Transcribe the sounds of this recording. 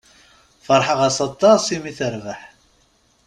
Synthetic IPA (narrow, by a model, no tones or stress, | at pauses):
fəɾˤħəʁasɑt̪ˤːɑsimiθəɾvaħ